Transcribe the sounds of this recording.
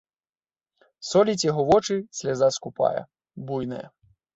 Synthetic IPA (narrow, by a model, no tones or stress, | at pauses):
sɔlʲit͡sʲjaɦɔvɔt͡ʂɨsʲlʲazaskupa̰jɐ̰ | bujnɐ̰jɐ̰